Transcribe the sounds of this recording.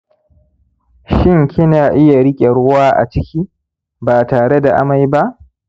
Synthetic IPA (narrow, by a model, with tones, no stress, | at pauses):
ʃɪ˦ŋkʲʰɪ˦naː˨ʔɪ˦ja˨ɽɪ˦kʲʼe˨ɽʊ˦waː˦ʔa̰˨t͡ʃɪ˦kʲiː˦ | baː˨taː˨ɽe˦da˨ʔa̰˦ma˨jba˦ʔ